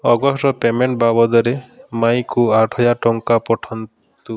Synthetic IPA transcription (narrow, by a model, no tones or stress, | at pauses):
ɔɡɔsʈɔpemeɳʈbabɔd̪ɔɾemajkuaʈʰɔjaʈɔŋkapɔʈʰɔn | t̪u